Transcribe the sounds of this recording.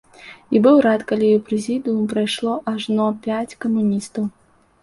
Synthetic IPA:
ibɨwɾat̪kalʲijɔpɾɛzʲid̪ɨjumpɾajʂlˠɔʔaʐnɔpʲat͡sʲkɐmunʲist̪ɐw

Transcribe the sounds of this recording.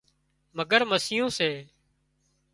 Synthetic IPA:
məɡəɾməsɪjõːseː

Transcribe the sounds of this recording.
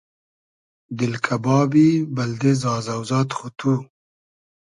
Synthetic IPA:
d̪ɪlkʰabɑːbibald̪ezɑːzawzɑːt̪xut̪ʰu

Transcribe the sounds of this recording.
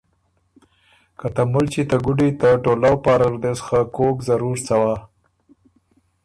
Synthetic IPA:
kat̪amʊlt͡ʃit̪aɡʊɖit̪aʈolawpɑɾaɾd̪esxakokzaɾuɾt͡sawa

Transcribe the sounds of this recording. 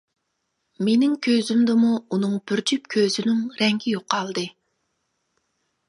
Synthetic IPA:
menɪŋkʲʰøzymd̪ɪmuunɨŋb̥yɾd͡ʒypkʲʰøzynyŋɾɛŋɡʲʰijoqʰɑlˠd̪ɨ

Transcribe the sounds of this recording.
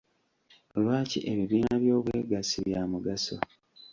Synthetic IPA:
olwaːciʔeβiβiːnaβjo̞ːβweːɡasiβjaːmuɡaso̰

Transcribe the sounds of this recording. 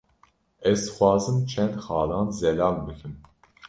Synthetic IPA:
ɛzxʷwɑːzɨmt͡ʃʰɛnd̪xɑːlɑːnzɛlɑːlbɨkʰɨm

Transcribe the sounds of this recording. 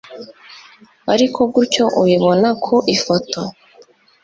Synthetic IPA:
aɾikʰo̞b̚ɡuɾco̞ʔujiβo̞nakʰoʔifoto

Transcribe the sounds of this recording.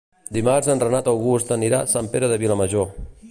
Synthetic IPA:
d̪imaɾzənrənat̪awɣust̪əniɾa̰sampeɾəðəβiləməʒo

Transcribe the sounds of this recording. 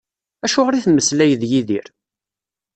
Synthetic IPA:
æʃʊʁɾiθmːəslæjəðjiðiɾ

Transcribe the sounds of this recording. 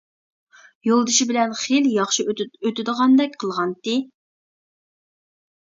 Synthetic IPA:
jolˠd̪ɨʃibɪlɛnχeljɑχʃiøt̪ɪd̪əʁɑnd̪ɛk̚ʲqʰəlˠʁɑnt̪ɪ

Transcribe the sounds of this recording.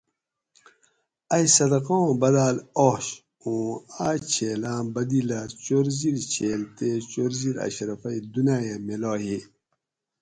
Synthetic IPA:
ɐjsɐd̪ɐqõbɐd̪aːloɕ | õːaːt͡ɕʰeːlãːbɐd̪ilat͡ɕoɾziɾt͡ɕʰeːlt̪et͡ɕoɾziɾɐ̰ɕɾɐfɐid̪unaːjameloːɦi

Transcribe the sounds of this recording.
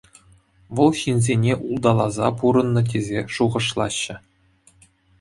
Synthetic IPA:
ʋɤ̆lˠɕinʲzʲenʲeʔulˠd̪ɑlˠɑzɑpuɾɤ̆nːɤ̆t̬ʲezʲeʂuʁɤ̆ʂlˠɑ̰ɕːɘ̆

